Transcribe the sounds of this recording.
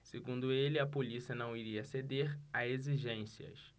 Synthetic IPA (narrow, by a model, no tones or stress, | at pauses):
seɡũd̪ʊelɪɐpolisiɐnɐ̃w̃iɾiɐsed̪eɾaeziʒẽsiɐ̰s